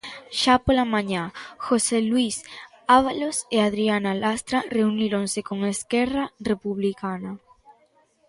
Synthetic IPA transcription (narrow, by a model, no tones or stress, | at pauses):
ʃapolamãɲaxoselwis | aβaloseaðɾianalast̪ɾareuniɾonsekoŋeskerarepuβlikana